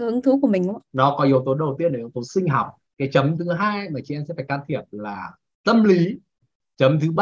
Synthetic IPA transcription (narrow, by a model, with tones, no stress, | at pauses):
hɨ˨˦ŋt̪ʰɨ˨˦ku˧˩mï˨˩ŋ̟ʔnɔ˨˦kɔ˨˦ʔi˧˨ə˧wt̪o˨˦nɗə˨˩wt̪i˧ənʔə˨˩˨t̪o˨˦nsï˧ŋ̟ɦɔ˨˩wk͡p̚ | kaː˨˦jt͡ɕə˨˦mt̪ʰɨ˨˦ɦaː˧jmaː˨˩t͡ɕi˧˩ʔɛ˧msɛ̰˧˥faː˧˩kaː˧nt̪ʰi˨˩əp̚laː˨˩ | t̪ə˧mli˨˦ | t͡ɕə˨˦mt̪ʰɨ˨˦ɓ